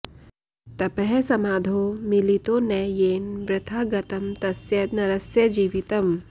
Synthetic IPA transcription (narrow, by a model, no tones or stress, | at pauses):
t̪ɐpɐɦɛsɐmaːd̪ʱoːmilit̪oːnɐjeːnbɾɪt̪ʰaːɡɐt̪ɐmt̪ɐsjɐt̪̚nɐɾɐsjɐd͡ʒiːʋit̪ɐm